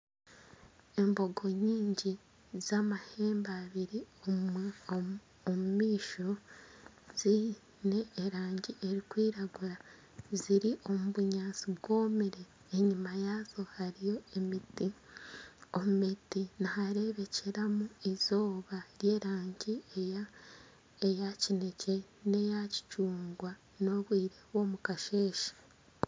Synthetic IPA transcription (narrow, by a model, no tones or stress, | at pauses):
e̞mbo̞ɡo̞ɲiːɲɟi | z̥amahe̞ːmbaβiɾio | omumiːʃo | z̥i | ne̞ːɾaːɲɟiʔe̞ɾikwiːɾaɡuɾa | ziɾiʔo̞muβuɲaːt͡sibɡwo̞ːmiɾe̞ | eɲimajazo̞haɾijo̞emiti | o̞mumitinahaɾe̞βe̞ceɾamuizo̞ːβaɾje̞ːɾaːɲɟieja | ejacine̞ce̞ | ne̞jaci̥cuːŋɡwa | no̞βwiːɾe̞βwo̞ːmukaʃe̞ːʃḁ